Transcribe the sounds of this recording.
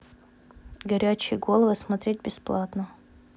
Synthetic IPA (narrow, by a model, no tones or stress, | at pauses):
ɡɐɾʲæt͡ɕɪjəɡo̞lˠəvɨsmɐt̪ɾʲet̚ʲbʲɪsplˠat̪nə